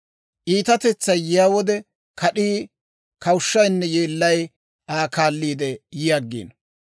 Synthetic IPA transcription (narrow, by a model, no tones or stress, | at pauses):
ʔiːt̪ɐt̪ɛt͡sːɐjjɪjaːwɔd̪ɛ | kɐɗiː | kɐwʊʃːɐjnːɛjeːlːɐj | ʔaːkaːlːiːd̪ɛjɪjaɡːḭːn